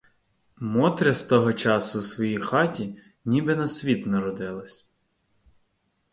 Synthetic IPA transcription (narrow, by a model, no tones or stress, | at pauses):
mɔt̪ɾʲɐst̪ɔɦɔt͡ʃɑsʊsʋɔjijxɑtʲi | nʲibɪnɐsʲʋʲit̪nɐɾɔd̪ɪlˠɐsʲ